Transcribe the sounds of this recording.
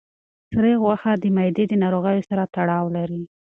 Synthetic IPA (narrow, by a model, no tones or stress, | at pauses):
sɾeɣwaxad̪əmajd̪ed̪ənɑɾoɣəjosaɾat̪aɽɑwlaɾi